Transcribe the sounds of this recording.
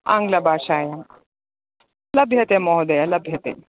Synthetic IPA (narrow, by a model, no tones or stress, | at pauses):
aŋɡlɐbʱaːʃaːjɐŋ | lɐbʱjɐt̪emoːɦud̪ɐjɐlɐbʱjɐt̪ḛ